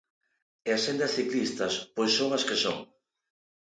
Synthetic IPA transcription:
easend̪ɐsθiklist̪ɐspojsːoŋaskesoŋ

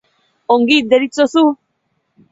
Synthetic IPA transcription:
oŋɡid̪eɾit͡sosu

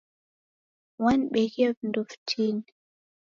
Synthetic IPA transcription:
wanɓɛɣiavindɔftʰini

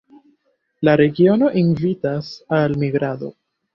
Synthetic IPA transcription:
laɾe̞ɡio̞no̞ʔinvitasalmiɡɾad̪o̞̰

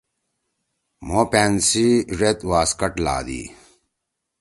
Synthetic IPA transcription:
mopeːnsiʐet̪waːskɐʈla̰ːd̪ḭː

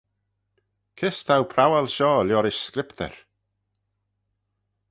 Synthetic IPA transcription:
kʰɪst̪ʰawpʰɾawalʃɔːljɔɾɪʃskɾɪpt̪ʰɛ̰ɹ

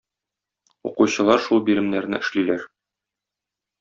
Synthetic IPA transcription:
ṵquɕɤ̆lˠɑɾʃulˠbiɾɘ̆mnæɾnɘʔɘ̆ʃlilæɾ

